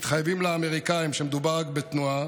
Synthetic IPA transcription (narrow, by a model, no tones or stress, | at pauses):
it̪χajvimleame̞ʁikaimʃemed̪ubaʁakbet̪nua